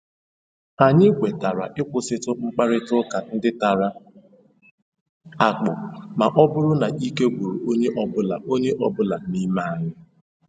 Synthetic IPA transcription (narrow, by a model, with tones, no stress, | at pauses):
a˨ɲɪ˦kʷe˨ta˨ɾa̰˨ʔɪ˦kʷʊ˦sɪ˦tʊ˦ŋ͡m̩˦k͡pa˦ɾɪ˦tʊ˦ka˨n̩˦dɪ˦ta˨ɾa˦ | a˨k͡pʊ˨ma˨ʔɔ˦bʊ˦ɾʊ˦na˨ʔi˦ke˦ɡʷu˨ɾu˨o˦ɲe˦ʔɔ˦bʊ˦la̰˨o˦ɲe˦ʔɔ˦bʊ˦la˨ni˦ma˦a˨ɲɪ˦